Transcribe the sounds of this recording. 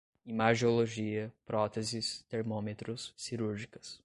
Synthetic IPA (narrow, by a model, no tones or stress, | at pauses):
imaɾʒioloʒiɐpɾɔt̪ezɪst̪eɾmõmet̪ɾʊsːiɾuɾʒikɐ̥s